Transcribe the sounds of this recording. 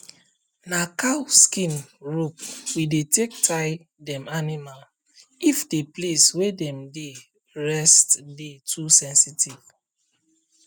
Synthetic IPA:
nakawskĩnɹopwidetʰek̚tʰaɪ | dɛ̃manimal | ifdepleswedɛ̃mde | ɹɛstdetʰusɛ̃nsitiv̥

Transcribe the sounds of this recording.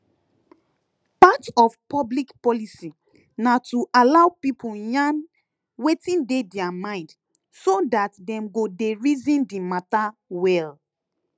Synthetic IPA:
patɔfpɔblikpɔlisi | natuʔalawpipʰujãn | wetĩndedɛamãɪ̃nd | sodatdɛ̃mɡodeɹizĩndimatawɛl

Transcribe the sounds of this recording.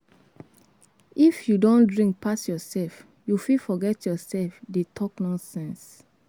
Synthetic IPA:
ifjudõndɹĩŋk̚pʰasjɔsɛlf | jufifɔɡɛtjɔsɛlfdetʰɔknɔ̃nsɛ̃ns

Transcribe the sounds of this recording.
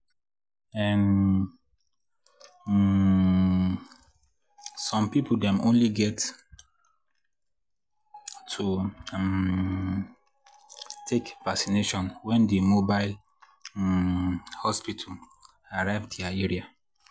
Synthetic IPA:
ɛ̃n | sɔ̃mpipʰl̩dɛ̃mõnliɡɛt | tʰu | tʰekvaksineʃɔ̃nwɛ̃ndemobaɪl | hɔspitʰa | aɹaɪvdiaeɹia

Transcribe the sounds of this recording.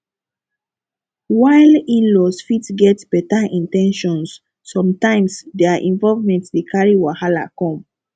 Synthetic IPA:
waɪlĩnlɔsfitsɡɛtb̥ɛtaʔĩntɛ̃nʃɔ̃nsː | ɔ̃mtãɪ̃msdɛaʔĩnvɔlvmɛ̃ntdikʰaɹiwahala̰kɔ̃m

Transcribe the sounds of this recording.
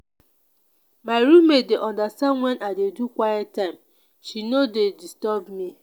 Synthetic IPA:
maɪɾumːedeʔɔ̃ndastanwɛnadedukʷajɛttːaɪ̃m | ʃinodedistɔbmi

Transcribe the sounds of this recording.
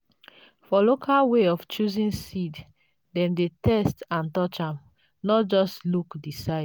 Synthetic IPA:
fɔlokʰalweɔft͡ʃuzĩnsid | dɛ̃mdetʰɛstãntɔt͡ʃãm | nɔtd͡ʒɔstlukdisaɪd

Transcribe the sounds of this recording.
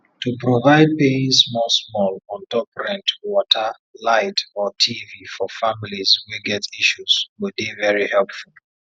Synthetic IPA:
tupɹovaɪd̚peĩnsmɔsmɔlɔ̃ntɔpɹɛ̃ntwɔtʰə | laɪtɔtʰivifɔfamilizwiɡɛtʰiʃuz̥wildivɛɹihɛlpfulˠ

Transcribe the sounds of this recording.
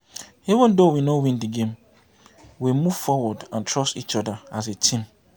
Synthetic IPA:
ivə̃ndowinɔwĩndiɡẽm | wimuv̥fɔwɔdãntʰɹɔsit͡ʃɔdaazetʰĩm

